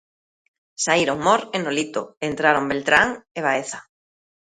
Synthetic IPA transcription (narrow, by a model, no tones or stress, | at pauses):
saiɾoŋmoɾenolit̪o̰ent̪ɾaɾombelt̪ɾaŋeβ̞aeθa